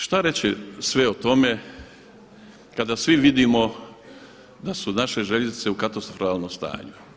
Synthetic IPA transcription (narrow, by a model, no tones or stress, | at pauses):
ʃt̪aɾet͡ɕisʋeot̪o̞me | kad̪asʋiʋid̪imo̞ | d̪asunaʃe̞ʒeʎezit̪se̞ukat̪ost̪ɾofɾaːlˠnomst̪a̰ːɲu